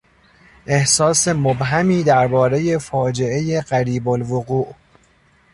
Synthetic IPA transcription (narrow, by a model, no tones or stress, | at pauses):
ʔe̞hsɒːsemobɦæmiːd̪æɾbɒːɾe̞je̞fɒːd͡ʒe̞ʔe̞je̞ɢæɾiːbolvoɣuːʔ